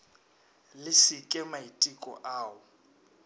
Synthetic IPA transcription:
lɪsɪkʼɛmaitʼikʼɔ̰ʔaːʊ

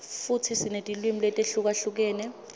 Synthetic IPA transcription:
futʰisinetʼilwimilɛtʼeɬuk̬aɬuk̬ɛːnɛ

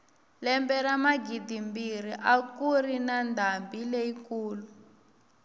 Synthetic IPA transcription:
lɛmbɛɾamaɡidimbiriʔakurinandʱambileikuːlu

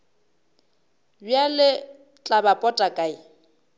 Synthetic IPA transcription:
bjalɪ | t͡ɬʼabapʼɔtʼakʼai

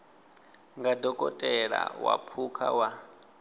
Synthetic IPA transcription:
ŋɡadɔkʼɔtʼɛɺa̰wapʰukʰa̰wa

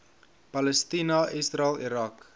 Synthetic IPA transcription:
pɐləstinɐʔisraliɾɐk

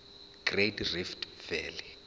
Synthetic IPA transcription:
ɡ̥retriftvɛːli

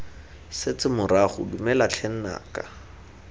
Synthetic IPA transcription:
sɪt͡sɪmʊɾaχʊ̰dumɛlat͡ɬʰɛn̩na̰ːka

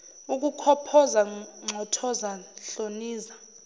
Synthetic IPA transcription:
uk̬ʼukʰɔpʰɔzaŋ͡ǀʱɔtʰɔzaɬoniːza

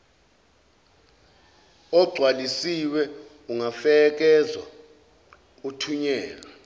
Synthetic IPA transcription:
ɔɡ͡ǀʱwalisiwɛ | uŋafɛk̬ɛzwa̰ | utʰuɲɛːla

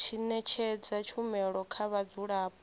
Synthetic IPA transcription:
t͡ʃʰinɛt͡ʃʰɛd͡zat͡ʃʰumɛɺɔkʰaβad͡zuɺap̚

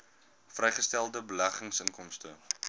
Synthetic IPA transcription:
frɛjχəstælˠdəbəlæχəŋsəŋkɔmstə̰

